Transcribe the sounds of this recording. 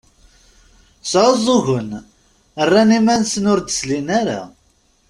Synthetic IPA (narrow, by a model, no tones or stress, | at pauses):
sʕəzˤoʝən | ərːanimænsənʊɾd̪ə̥slinaɾa̰